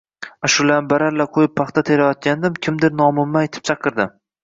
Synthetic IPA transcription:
aʃʊlanbaɾaɾlaqʰojɪpʰːɑχt̪ʰat̪ʰelajɒt̪̚kʲand̪ɪmkʲʰɪmd̪ɪɾnɒmʊmːaet̪ʰɪ̥p̚t͡ʃʰɑqʰɨɾd̪ɪm

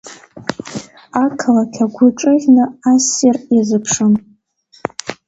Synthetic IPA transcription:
akʰɨlakʲʰaɡʷʊʈ͡ʂʼɨʁʲnɨasirjazɨpʰʂɨm

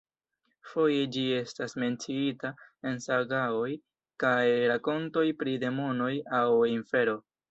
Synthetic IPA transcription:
fo̞je̞d͡ʒie̞stasme̞nt͡siitae̞nsaɡao̞j | kajɾako̞nto̞jpɾide̞mo̞no̞jawiɱfe̞ɾo̞

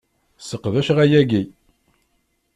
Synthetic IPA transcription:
səqːðæʃʁæjæɡi

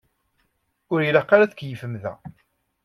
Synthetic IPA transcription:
ʊɾilaqːaɾæðəkːjəfəmðæ̰

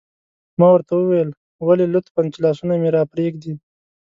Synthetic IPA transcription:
mɑwəɾt̪awəwajəl | walelʊt̪pant͡ʃlɑsunameɾɑpɾeɡd̪i

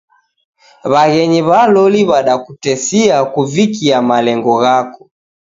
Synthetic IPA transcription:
βaɣɛɲiβalɔliβaɗakutɛsiakuvikiamalɛŋɡɔɣakɔ

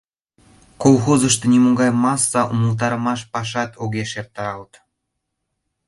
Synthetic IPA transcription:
kolˠxozə̆ʃt̪ɤ̆nʲimuɡɑjmɑsːɑʔumə̆lˠt̪̬ɑɾɤ̆mɑʃpɑʃɑt̪ʰoɡʲeʃer̚t̪ːɑɾɑlt̪

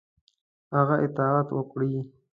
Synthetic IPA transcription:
haɣaʔɪt̪ɑat̪wəkɽi

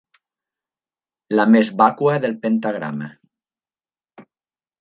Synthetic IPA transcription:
lamezβakwaðelpent̪aɣɾa̰ma̰

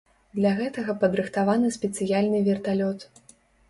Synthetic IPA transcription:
d̪lʲaɣɛt̪ɐɣɐpɐd̪ɾɨxt̪avanɨsʲpʲɛt̪sɨjalʲnɨvʲɛrt̪alʲɔt̪

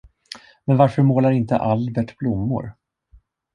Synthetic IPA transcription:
mɛnvaɾfœɾmoːlaɾɪnt̪ə̰ʔalbɛʈblʊmːʊ̰ɾ

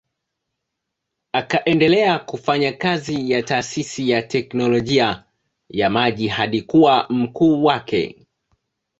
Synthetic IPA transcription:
akaʔɛndɛlɛakufaɲakazijataːsisijatɛknɔlɔʄia | jamaʄihaɗikuwam̩kuːwakɛ̰

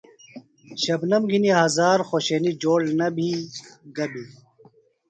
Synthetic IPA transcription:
ɕɐbnɐmɡiniɦɐzaːɾxoːɕeːnid͡ʑoːɽnɐbʱiɡɐbʱi

